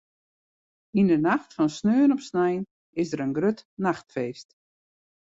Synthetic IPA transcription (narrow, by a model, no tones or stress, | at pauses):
indənaxtfɔnsnøːənɔpsnɛjn | ɪsdəɾənɡrøtnaxtfeːst